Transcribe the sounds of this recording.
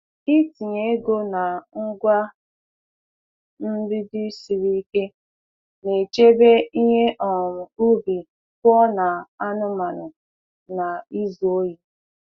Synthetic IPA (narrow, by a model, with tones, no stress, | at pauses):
i˦ti˨ɲe˦e˦ɡo˦na˨ŋ̩˦ɡʷa˦ | m̩˦bi˦di˦si˨ɾi˦i˦ke˦ | ne˨t͡ʃe˦be˦i˦ɦe˦ʔɔ˨mʊ˨u˦bi˨ | kɔ˦na˨a˦nʊ˦ma˨nʊ˨ | na˨i˦zo˨˦ji˦